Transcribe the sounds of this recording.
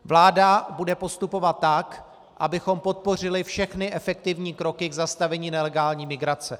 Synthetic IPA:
vlaːdabudɛpo̞st̪upo̞vat̪ːak | ʔa̰bɪxo̞mpo̞t̪̚po̞r̝ɪlɪfʃɛxnɪʔɛfɛk̚t̪ɪvɲiːkɾo̞kɪɡzast̪avɛɲiːnɛlɛɡaːlɲiːmɪɡɾat͡sɛ

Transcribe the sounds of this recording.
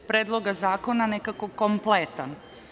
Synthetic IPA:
pɾeːd̪lˠoɡazaːko̞nanekako̞komplet̪an

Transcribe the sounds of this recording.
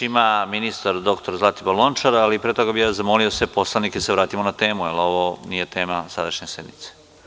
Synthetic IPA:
imaminist̪aɾd̪o̞kt̪oɾzlˠat̪ibolo̞nt͡ʃaɾalipɾet̪oɡabijaːzamoliosepo̞slanikeseʋɾaːt̪imonat̪e̞ːmuelo̞ʋonijet̪e̞ːmasad̪aʃɲesed̪mḭt̪se̥

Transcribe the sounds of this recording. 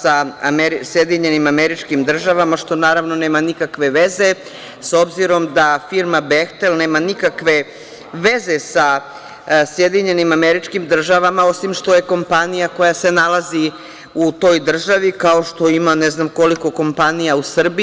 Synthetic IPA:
saameɾisjed̪iɲe̞nimameɾit͡ʃkimd̪r̩ʒaʋamaʃt̪o̞naːɾaʋnoneːmanikakʋe̞ʋe̞ze̞ | so̞bziɾo̞md̪afiɾmabext̪elne̞ːmanikakʋe̞ | ʋe̞ze̞sa | sjed̪iɲe̞nimameɾit͡ʃkimd̪r̩ʒaʋamao̞simʃt̪o̞je̞ko̞mpanijako̞jase̞nalˠazi | ut̪o̞jd̪r̩ʒaʋikao̞ʃt̪o̞imaneznamko̞liko̞ko̞mpanijausr̩bi

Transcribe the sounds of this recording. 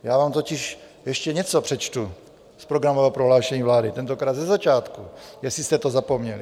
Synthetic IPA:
jaːvaːmt̪o̞cɪʃ | jɛʃcɛɲɛt͡sopr̥ɛt͡ʃt̪u | spɾoɡɾamovɛɦopɾoɦlaːʃɛɲiːvlaːdɪt̪ɛnt̪okɾaːd̪zɛzat͡ʃaːt̪kujɛsist̪ɛt̪ozapo̞mɲɛli

